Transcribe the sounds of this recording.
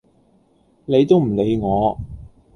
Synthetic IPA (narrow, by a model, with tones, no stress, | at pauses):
ne˨˧jt̪o˥wm̩˨˩le˨˧jŋɔː˨˧